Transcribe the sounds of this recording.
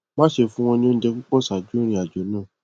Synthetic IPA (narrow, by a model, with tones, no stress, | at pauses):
mã˦ʃe˧fũ˦w̃ɔ̃˧nĩ˧o˧n̩˦d͡ʒɛ˧ku˦k͡pɔ˦˨sa˨d͡ʒu˦ɾ̃ĩ˧˦a˨d͡ʒɔ˨˦nãː˦˨